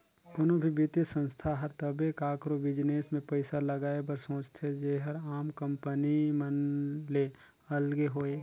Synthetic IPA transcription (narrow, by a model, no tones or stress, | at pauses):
ʊnõbʱibɪt̪isə̃nst̪ʰaɦəɾt̪əbekaːkɾobɪd͡ʒneːsmẽpəɪsaləɡaːebəɾsõːt͡ʃt̪ʰed͡ʒeɦəɾaːmkə̃mpənimənle | əlɡeɦoːe